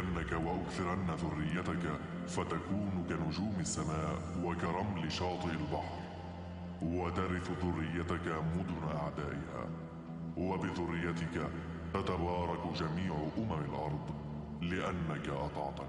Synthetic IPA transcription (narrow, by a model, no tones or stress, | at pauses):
ʔanːakawaʔʊkθɪɾanːaðʊrːɪjːat̪aka | fat̪akuːnkanʊd͡ʒuːmasːamaːʔwakaɾˤɑmlɪʃɑːt̪ˤɨʔalbɑħɾ | wat̪aɾɪθʊðʊrːɪjːat̪akamʊd̪ʊnaʔa̰ʕd̪aːʔɪha̰ː | wabɪðʊrːɪjːat̪ɪka | t̪at̪abɑːɾˤɑkd͡ʒamiːʕʊʔʊmamalʔɑɾˤd̪ˤ | lɪʔanːakaʔɑ̰t̪ˤɑ̰ʕt̪ɑk